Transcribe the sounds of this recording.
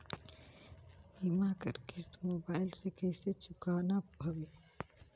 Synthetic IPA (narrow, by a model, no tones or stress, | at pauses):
imakə̰ɾkɪst̪moːbaːɪlsekəɪset͡ʃʊkanabʱɐbeː